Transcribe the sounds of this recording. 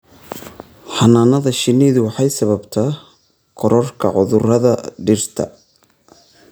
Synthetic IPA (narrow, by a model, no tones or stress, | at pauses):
ħɑnaːnɐðɐʃɪniːðʊwɑħɑjsɐβɐbt̪ʰɐ | kʰɔɾɔrkʰɐ̰ʕʊðʊrɐðɐɖɪrt̪ʰɐ̰